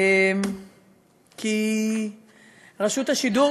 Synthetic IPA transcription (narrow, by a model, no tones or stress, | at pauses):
m | kʰi | ʁaʃut̪haʃidu